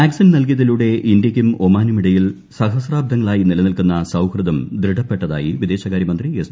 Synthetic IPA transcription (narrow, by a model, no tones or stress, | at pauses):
aːksɐnnɐlk̬iɐðiluɽe̞ʔind̪jɐkʲːumomaːnumiɽɐjil | sɐɦɐsraːb̚d̪ʱɐŋːɐɭaːjinilɐnilkunːɐsɐwkrɨd̪ɐmd̪ɾiɽɐpːe̞ʈːɐða̰ːjiʋid̪e̞ːɕɐɣaːɾjɐmɐnd̪ries